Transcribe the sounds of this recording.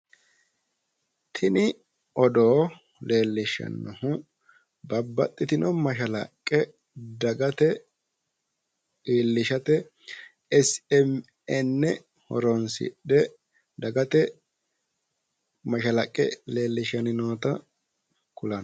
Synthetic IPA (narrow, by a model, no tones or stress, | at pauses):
t̪ʰɪnɪ | ʔɔd̪oː | le̞ːlːɪʃɐ̰nːɔhʊ | bɐbːɐ̰t̪ʼːɪt̪ɪnɔmɐʃɐlɐ̰kʼːɛ | d̪ɐɡɐt̪ɛ | iːlːɪʃɐt̪ɛ | ɛsɛm | ɛnːɛ | hɔ̰ɾɔnsɪ̰ɗɛ | d̪ɐɡɐt̪ɛ | mɐʃɐlɐkʼːɛ̰le̞ːlːɪʃɐnɪnoːt̪ɐ | kʊlɐn